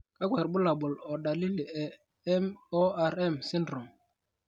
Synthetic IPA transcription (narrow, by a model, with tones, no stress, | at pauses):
ka˦kwa˨ɾɓʊ˦la˨ɓʊ˨lɔ˨ɗa˨li˦li˨ɛ˨ | ɛ˦mɔ˦a˦ɾɛ˦˨msi˦ndɾu˨m